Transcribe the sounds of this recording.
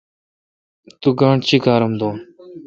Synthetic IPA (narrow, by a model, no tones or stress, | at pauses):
t̪uɡaːɳt͡ʃiːkaːɾəmd̪oː